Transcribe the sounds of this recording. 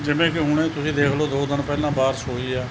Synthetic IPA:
d͡ʒɪʋẽːkɪɦʊɳ̃ẽːt̪ʊsĩːd̪eːkʰloːd̪oːd̪ɪnpɛːlãːbaːɾsoːiːaː

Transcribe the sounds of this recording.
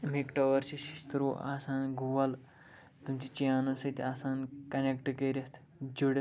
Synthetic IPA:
mekʈɐʋɐɾt͡ɕisist̪ɾoa̰sãnɡʱuʋal | t̪umt͡ɕit͡ɕijanɐsɐt̪ʲiaːsankɐnekʈkeɾʲɐst̪ʰ | d͡ʑoɽ

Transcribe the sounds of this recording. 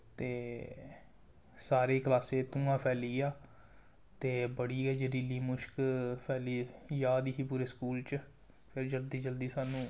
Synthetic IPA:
t̪eː | saːɾeːklaːseːt̪ũːãːpʰɛːliːaː | t̪eːbəɽiːɛːd͡ʒeɾiliːmʊʃkpʰɛːliːjaːd̪iːɦiːpuːɾeːskuːlt͡ʃ | pʰɪɾd͡ʒəld̪iːd͡ʒəld̪iːsaːnũː

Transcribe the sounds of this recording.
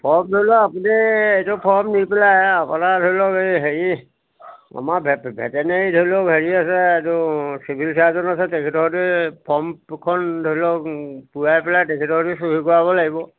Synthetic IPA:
pʰɔɹmdʱojlɔapuniejtʊpʰɔɹmnipɛlajapanadʱojlɔkeɦeɹi | a̰mabʱbʱɛ̰tɛnejdʱojlɔkɦeɹiasɛejtʊsibʱilsiazɔnasɛtekʰɛtɔɦɔtupʰɔmkʰɔndʱolɔkpujajpɛlajtekʰɛtɔɦɔtusuɦikɔɹabɔlaɡibɔ

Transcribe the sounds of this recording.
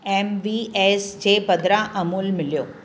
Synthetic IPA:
emʋiesd͡ʒeːbəd̪ɾaʔəmuːlmɪljoː

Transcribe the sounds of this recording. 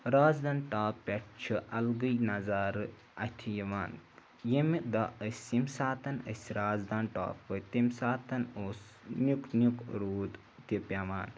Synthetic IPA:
ɾaːzd̪aːnʈaːppʲɐʈt͡ʃʰiʔɐlɡəjnɐzaːɾɨ | ɐt̪ʰijiʋaːn | jemid̪ɐəsʲimsaːt̪ɐnə̰sʲɾaːzd̪aːnʈa̰ːpːət̪imsaːt̪ɐnoːs | nʲuknʲjukɾuːd̪ | t̪ipʲaʋaːn

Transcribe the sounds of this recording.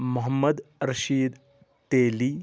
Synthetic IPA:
mɐɦəmːəd̪ɾɐɕiːd̪ | t̪eli

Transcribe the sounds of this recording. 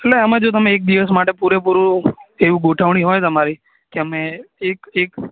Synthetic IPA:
elleəmed͡ʒot̪əmẽːk̚d̪iʋəs̬maʈepuɾep̬uɾũeʋũɡoʈʰəʋɳ̃iɦojt̪əmaɾi | keəmeːkek

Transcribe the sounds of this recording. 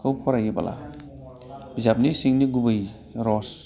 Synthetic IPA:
kʰɯwpʰɔɾajiba̰lʔa̰ | bizap̚nisiŋniɡubɯj | ɾɔs

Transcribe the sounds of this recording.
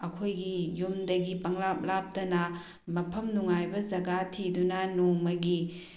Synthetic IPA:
ɐkʰojɡijumdɐɡipɐŋlap̚lap̚tɐnɐ | mɐpʰɐmnuŋajbɐd͡ʒɐɡatʰidunɐnuŋmɐɡi

